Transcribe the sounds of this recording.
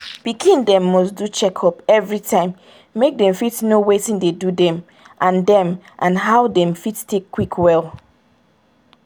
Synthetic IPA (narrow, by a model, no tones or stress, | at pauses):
b̥ikʰĩndɛ̃mːɔsdut͡ʃɛkʰɔpɛvɹitʰãɪ̃mː | ek̚dɛ̃mfitnowetĩndedudɛ̃m | ʔãndɛ̃mʔãnɦawdɛ̃mfittʰekʰːwikʰwɛlˠ